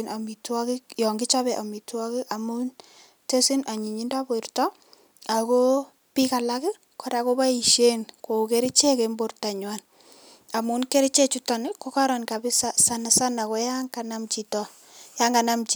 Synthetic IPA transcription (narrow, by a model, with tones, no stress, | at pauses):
na˨mi˨twɔ˦kɪ˦kjɔ˨ŋɡɪ˦t͡ʃa˦bɛ˨ʔa˨mi˨twɔ˦kɪ˦a˨mu˦n | te˦si˦na˨ɲi˨ɲi˦nda˦bo˨ɪɾtɔ˦ | a˨ko˦ | pi˦ka˨la˦kɪ˦ | kɔ˨ɾa˨ko˦ba˦i˨ʃe˦nko˨keɾi˦t͡ʃe˦ke˨mbo˨rta˨ɲwa˦n | a˨mu˨nke˦ɾi˦t͡ʃe˦t͡ʃu˦tɔ˨nɪ˦ko˦ka˦ɾɔ˨nka˨bɪ˦sasa˦na˨sa˦na˨kɔ˨˦ja˦ŋka˨na˦mt͡ʃi˨tɔ | ja˦ŋɡa˨na˦mt͡ʃi˨